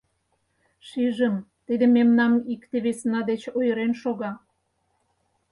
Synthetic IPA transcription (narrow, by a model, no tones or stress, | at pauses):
ʃiʒəmt̪id̪ememnɑmikt̪eβesnɑd̪et͡ɕojəɾenʃoɣɑ